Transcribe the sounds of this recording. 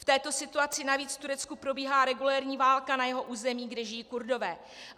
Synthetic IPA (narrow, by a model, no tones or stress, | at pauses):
ft̪ɛːt̪o̞sɪt̪uat͡sɪnaviːt͡sft̪uɾɛt͡skupɾo̞biːɦaːɾɛɡulɛːɾɲiːvaːlkanajɛɦo̞ʔuːzɛmiːɡdɛʒɪjiːkuɾdo̞vɛː